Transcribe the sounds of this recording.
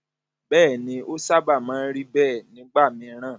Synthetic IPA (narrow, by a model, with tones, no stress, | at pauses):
bɛː˦˨nĩ˧˦ʔo˦sa˦ba˦˨mãː˨˦ɾi˦bɛː˦˨nĩ˨˦ɡ͡ba˦˨mĩ˧˦ɾ̃ãː˦˨